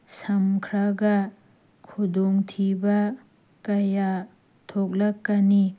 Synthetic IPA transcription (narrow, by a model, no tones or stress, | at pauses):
sɐmkʰɾaɡɐ | kʰudoŋtʰibɐ | kɐja | tʰok̚lɐkːɐni